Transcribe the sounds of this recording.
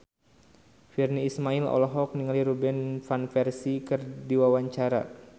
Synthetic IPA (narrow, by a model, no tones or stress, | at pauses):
firniːsmailɔ̰lɔɦɔk̚niŋaliɾubɛnfanfɛrsikɨrdiwawaɲt͡ʃaɾa̰